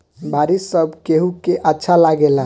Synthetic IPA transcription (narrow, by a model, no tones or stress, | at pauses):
bʱaɾisːəbkeɦukeʔətːʃʰalaɡela